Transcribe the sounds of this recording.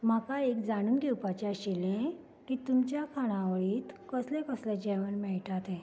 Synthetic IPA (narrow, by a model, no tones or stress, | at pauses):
makaek̚d͡zaɽ̃uːnɡʱewpat͡ɕeaɕilẽ | kiːt̪umt͡ɕjakʰaɽ̃ãʋəɭiːt̪kəslẽkəslẽd͡ʑɛʋənmɛɭʈat̪ɛ̃